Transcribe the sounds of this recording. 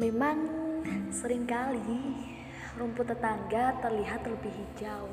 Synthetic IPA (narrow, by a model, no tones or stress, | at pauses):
memaŋ | səɾɪŋkali | rumpʊt̪ːət̪aŋɡat̪ərliɦat̪ləbɪɦi̥d͡ʒaw